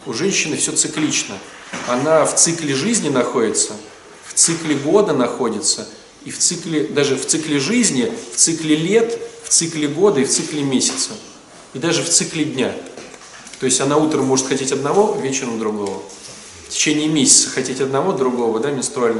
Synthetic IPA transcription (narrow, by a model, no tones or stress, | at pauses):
ʊʐɛnʲɕːɪnɨfsʲɵt̪sɨklʲit͡ɕnə | ɐnaft̪sɨklʲɪʐɨzʲnʲɪnɐxo̞dʲɪt̪sə | ft̪sɨklʲɪɡo̞d̪ənɐxo̞dʲɪt̪sə | ift̪sɨklʲɪd̪aʐɨft̪sɨklʲɪʐɨzʲnʲɪft̪sɨklʲɪlʲe̞t̪ft̪sɨklʲɪɡo̞d̪əift̪sɨklʲɪmʲesʲɪ̥t̪sə | id̪aʐɨft̪sɨklʲɪdʲnʲa | t̪o̞ɪsʲtʲɐnaut̪ɾəmːo̞ʐɨt̪xɐtʲetʲɐd̪nɐvo̞vʲet͡ɕɪɾəmd̪ɾʊɡo̞və | ftʲɪ̥t͡ɕenʲɪːmʲesʲɪ̥t̪sə̥xɐtʲetʲɐd̪̚nɐvo̞d̪ɾʊɡo̞vəd̪amʲɪnst̪ɾʊalʲn